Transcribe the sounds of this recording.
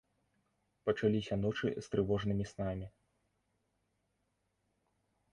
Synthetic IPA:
pɐt͡ʂalʲisʲɐn̪ɔt͡ʂɨ̰st̪ɾɨvɔʐnɨmʲisnamʲi

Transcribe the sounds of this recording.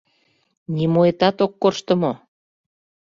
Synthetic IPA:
nimoet̪ɑt̪okːorʃt̪ə̆mo

